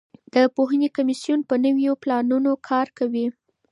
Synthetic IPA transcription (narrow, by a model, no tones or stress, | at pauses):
d̪̥əpoɦanekamisjunpənəwjoplɑnunokʰɑɾkawi